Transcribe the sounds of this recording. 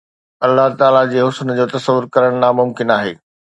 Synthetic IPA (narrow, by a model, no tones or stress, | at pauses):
ɐlːaɦt̪aːlad͡ʑeːɦʊsnd͡ʑoːt̪ɐsəʋʊɾkɐɾəɽ̃naːmʊmkɪnaːɦḛː